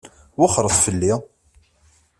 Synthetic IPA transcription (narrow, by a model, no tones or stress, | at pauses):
wʊχɾˤəðˤfəlːi